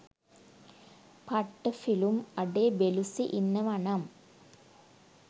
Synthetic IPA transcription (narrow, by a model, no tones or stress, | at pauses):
pɐʈːɐfilumɐɖeːbelusiʔinːɐʋɐɳɐm